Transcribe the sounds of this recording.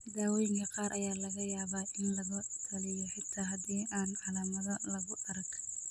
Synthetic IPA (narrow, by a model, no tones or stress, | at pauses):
d̪aːwɔjɪŋkʰɐqɑːɾʔɐjaːlɐɣɐjaːβaːʔɪnlɐɣʊt̪ʰɐlɪjɔħɪt̪ʰːaɦɐd̪iːʔaːnʕalaːmɐðɐlɐɣʊʔɐɾɐk